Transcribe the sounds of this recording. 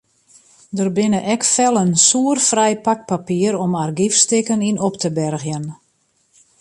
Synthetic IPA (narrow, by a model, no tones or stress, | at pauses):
dərbɪnəʔɛkfɛlˠənsuərfrɛjpak̚papiəɾɔmarɡifstɪkəninoptəbɛrɣjən